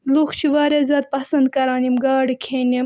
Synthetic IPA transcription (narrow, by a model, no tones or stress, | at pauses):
luxt͡ʃʰiʋaːɾɐzʲɑːd̪̚pɐsɐnd̪kɐɾɑːnimɡɑːɽikʲʰeːnʲim